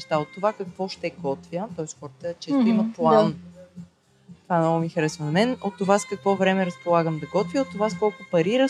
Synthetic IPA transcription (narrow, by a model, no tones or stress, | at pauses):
ʃt̪aot̪ːovakɐkvɔʃt̪ɛɡɔt̪vʲjət̪ɔɛst̪xɔɾt̪ət͡ʃɛt̪uimɐplˠan | t̪ovaɛnɔɡʊmixɾɛsonɐmɛnot̪ːovaskəkvɔvɾɛmɛɾəspolˠaɡəmd̪ɐɡɔt̪vjəot̪ːovaskɔlˠkʊpɐɾiɾə